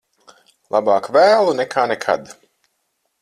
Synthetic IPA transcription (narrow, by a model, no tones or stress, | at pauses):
lˠabaːkvæːlˠunɛkʰaːnekʰa̰d̪